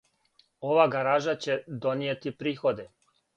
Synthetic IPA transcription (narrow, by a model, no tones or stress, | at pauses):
oʋaːɡaɾaːʒat͡ɕed̪onijet̪ipɾiːxod̪ɛ